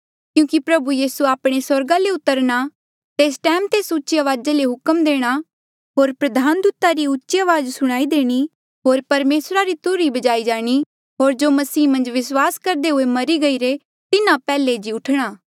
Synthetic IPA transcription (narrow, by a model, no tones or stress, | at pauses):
kjũːkipɾɐbujiːsuaːpɽ̃esɐɾɡãleʊt̪ːəɾɽ̃a | t̪eːsʈɛːmt̪eːsʊtːʃiəʋaːd͡ʒeleɦʊkəmd̪eːɽ̃a | ɦoːɾpɾɐd̪ʱaːnd̪ut̪aɾiʊtːt͡ʃʃiaʋaːd͡ʒsʊɽ̃aːid̪eːɽ̃i | ɦoːɾpɐɾmeːsɾaɾit̪ʊɾibɐd͡ʒaːid͡ʒaːɽ̃i | ɦoːɾd͡ʒoːmɐsiːmɐ̃nd͡ʒʋɪswaːskɐɾd̪eɦʊemɐɾiɡɐiɾe | t̪ɪnãpɛːled͡ʒiʊʈʰɽ̃aː